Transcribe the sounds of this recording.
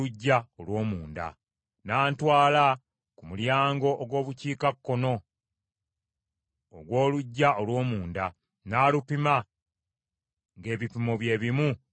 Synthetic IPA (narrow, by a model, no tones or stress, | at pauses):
uɟːaolwo̞ːmuːnda̰ | naːntwaːla | kumuljaːŋɡo̞ʔoɡwo̞ːβuciːkakːo̞no̞ | ɡwo̞ːluɟːaʔolwo̞ːmuːnda | naːlupima | ŋɡe̞ːβipimoβje̞ːβimu